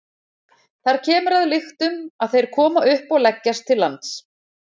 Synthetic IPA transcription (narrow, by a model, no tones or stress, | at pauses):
θaɾ̥cʰɛːmʏɾaðlɪxt̪ʏmaðθejɾ̥kʰɔːmaʔʏhpɔɣlɛcːast̪ʰːɪlːa̰nt̪s